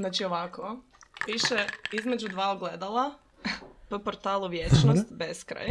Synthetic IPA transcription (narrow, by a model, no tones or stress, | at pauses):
znat͡ʃioʋakʰo | ʋiʃeizme̞d͡ʒud̪ʋaːoɡled̪alˠa | pəpoɾt̪aːlˠuʋjet͡ʃnost̪beskɾa̰j